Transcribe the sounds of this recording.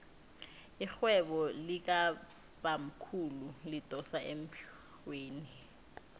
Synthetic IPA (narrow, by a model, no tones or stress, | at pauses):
ixwɛɓɔlik̬a | ɓam̩kʰululitʼɔsaʔem̩ɬ | weːni